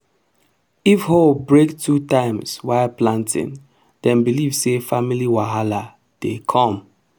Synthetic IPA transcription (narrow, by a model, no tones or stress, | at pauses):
ifhobɹektʰutãɪ̃mswaɪlplãntʰɪ̰̃n | d̥ɛ̃nbilivsefamiliwaɦala | d̥ekʰɔ̃m